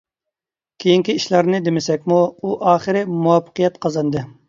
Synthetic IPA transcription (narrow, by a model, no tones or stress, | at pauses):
kʲʰejiŋkʲiiʃlɑɾnɨd̪emɪsɛkʲmuuʔɑːχɨɾɪmuwɑpːə̥qijɛt̪qʰɑzɑnd̪ɨ